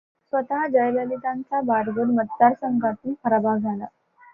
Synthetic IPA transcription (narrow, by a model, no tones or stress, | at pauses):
sʋət̪aɦd͡ʑəjləlit̪ãnt͡sabaɾɡəɾmət̪̚d̪aɾsəŋɡat̪iːkʰəɾbad͡zʱala